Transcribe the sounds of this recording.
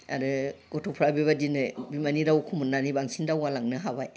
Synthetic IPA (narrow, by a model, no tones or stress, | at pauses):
a̰ɾɯɡ̥ɔtʰɔpʰɾabiβadinɯbimaniɾawkʰumunnːanibaŋsindawalaŋnɯɦabaj